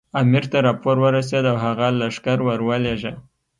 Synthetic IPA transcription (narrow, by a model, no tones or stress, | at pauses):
amiɾt̪aɾɑpoɾwəɾas̬ed̪awɦaɣalaʂkaɾwəɾwəleʒa